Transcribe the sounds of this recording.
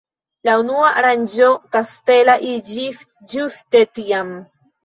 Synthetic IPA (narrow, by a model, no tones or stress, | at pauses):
launuaʔaɾand͡ʒo̞kaste̞laʔid͡ʒis | d͡ʒuste̞tiam